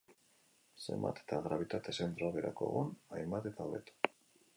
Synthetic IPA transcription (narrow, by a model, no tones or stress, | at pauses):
se̞̰mba̰t̪e̥t̪aɣɾaβ̞it̪at̪e̞se̞nt̪ɾoaβeɾʔa̰ko̰ɣunajmbat̪e̞t̪aoβḛt̪o̥